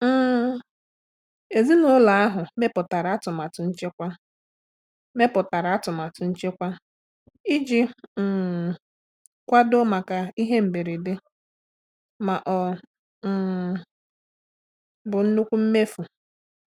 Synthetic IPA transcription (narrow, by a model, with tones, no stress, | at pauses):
m̩ː˦ | e˨zi˦nʊ˦la˨a˦ɦʊ˨me˦pʊ˨ta˨ɾa˨a˦tʊ˨ma˨tʊ˨n̩˦t͡ʃe˦kʷa˦ | me˦pʊ˨ta˨ɾa˨a˦tʊ˨ma˨tʊ˨n̩˦t͡ʃe˦kʷa˦ | i˦d͡ʒi˦˨ | kʷa˦do˦ma˨ka˨i˦ɦe˦m̩˨be˨ɾe˨de˦ | ma˨ʔɔ˨ | bʊ˨n̩˦nu˦kʷu˦m̩˦me˦fu˨